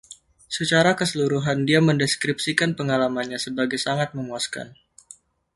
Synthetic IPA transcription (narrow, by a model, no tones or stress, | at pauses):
sət͡ʃaɾakəsəluɾuɦandiaməndɛskɾip̚sikanpəŋalamanɲasəbaɡajsaŋat̪̚məŋuaska̰n